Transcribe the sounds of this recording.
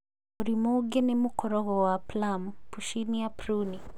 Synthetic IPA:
ɔɾimoɡɛnɛmukɔɾɔɣɔwaplampuʃinijapɾuni

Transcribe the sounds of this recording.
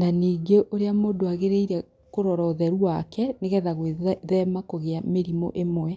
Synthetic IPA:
naniːŋeʔoɾeamoːdoaɣeɾeiɾɛ | koɾɔɾɔðɛɾuakɛneɣɛðaɣweðɛmakoɣeameɾimɔ̰ʔemwɛ

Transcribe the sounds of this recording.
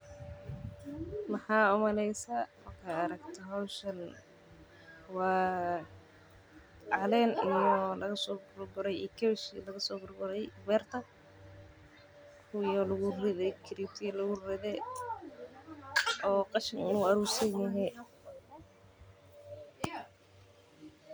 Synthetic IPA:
mɐħɑːʊmɐlɛjsaːmɐrkʰaɐɾɐɡt̪ʰɔɦɔwʃɐn | wɑː | ɑlɛːnijɔlɐɣɐsɔːbʊrbʊɾɛjikʰɛʃilɐɣɐsɔːbʊrbʊɾɛjwɛːrt̪ʰɐ | kʰʊjɔlɐɣʊrɪðɛkʰɪɾiːb̚t̪ʰɪlʊɣʊrɪðɛːd̪ | ɔːqɑʃɪnɪnuːɐɾuːrsɐnjɐɦɛ

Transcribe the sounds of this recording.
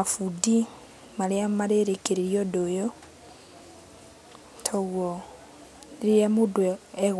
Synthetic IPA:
afudi | maɾeamaɾeɾekeɾeɾjɔdojɔ | tʰɔɣwɔ | iɾiamodwɛɛɣ

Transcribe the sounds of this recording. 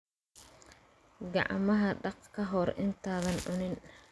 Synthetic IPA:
ɡɑ̰ʕ̰mɐɦɐɖɑqkʰɐɦɔrɪ̰nt̪ʰaːðɐnʕʊnɪn

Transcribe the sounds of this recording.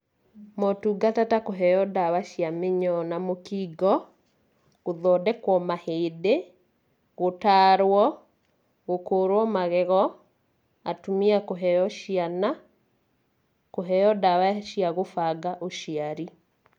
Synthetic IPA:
mɔtuɡatatakoɦɛjɔdawaʃjameɲɔnamokiɡɔ | ɣoðɔdɛkwɔmahede | ɣotaːɾwɔ | ɣokoːɾwɔmaɣɛɣɔ | a̰tumiakoɦɛjɔʃjana | koɦɛjɔdawaʃiaɣofaɡaʔoʃiaɾi

